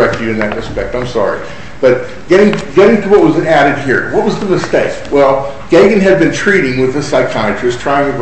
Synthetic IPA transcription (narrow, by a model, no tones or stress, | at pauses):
ɛk̚tʰɨɾɨ̃nðɨt̚ɹɨspɛk̚tãɪ̃msɑ̰ɹḭ | b̥ʌt̚ | ɡ̥ɛɾɪ̃ŋɡɛɾɪ̃ŋtʰəwʌt̚wʌzɨ̃næɾɨd̚hiɹwʌt̚wʌzðəmɨsteɪkwɛlˠ | ɡ̥eɪɡɨ̃nɨd̚bɨ̃ntʰɹ̥iɾɪ̃ŋwɨðɨsaɪkʰɑɨt͡ʃʰɹ̥ɨstʰɹ̥aɪɪ̃ŋɨ